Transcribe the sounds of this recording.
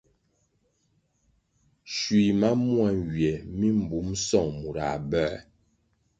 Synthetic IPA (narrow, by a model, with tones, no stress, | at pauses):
ʃwi˨ma˦mwa˨ŋɡɥjɛ˨mi˦m̩˨bu˨˦msɔ˦˨ŋmu˨ɾa̰˨bɛ˦˨